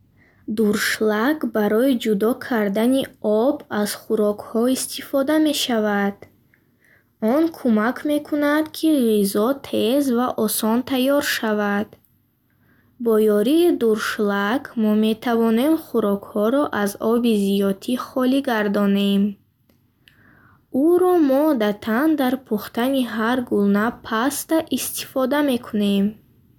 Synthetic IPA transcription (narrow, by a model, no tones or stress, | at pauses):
d̪uɾʃlakbaɾɔid͡ʒud̪ɔkʰaɾd̪aniɔbaz̥χuɾɔkhɔist̪ʰifɔd̪ame̞ʃavad̪̥ | ɔnkʰumakʰme̞kʰunad̪kʰiʁizɔt̪ʰe̞zvaʔɔsɔnt̪ʰajɔɾʃavad̪̥ | bɔjɔɾiːd̪uɾʃlakʰmɔme̞t̪ʰavɔne̞mχuɾɔkhɔɾɔʔazɔbizijɔt̪ʰiχɔliɡaɾd̪ɔne̞m | uɾɔmɔd̪at̪ʰand̪aɾpʰuχt̪aniɦaɾɡulnapʰast̪aʔist̪i̥fɔd̪ame̞kʰune̞m